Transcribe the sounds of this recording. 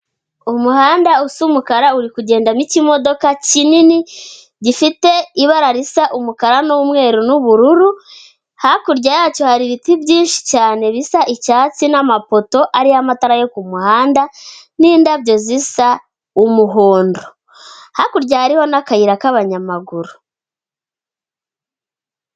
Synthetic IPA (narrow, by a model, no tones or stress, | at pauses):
umuhaːndausumukaɾauɾikuɟe̞ːndamicimo̞do̞kacinini | ɟifite̞iβaɾaɾisaʔumukaɾanomŋe̞ːɾunuβuɾuɾu | hakuɾɟajaːt͡ʃo̞haɾiβitibɟiːnʃi̥caːne̞βisaʔicaːt͡sinamapo̞to̞ʔaɾiamataɾajo̞kumuhaːndaniːndabɟo̞zisa | umuɦoːndo | hakuɾɟahaɾiho̞nakajiɾakaβaɲamaɡuɾu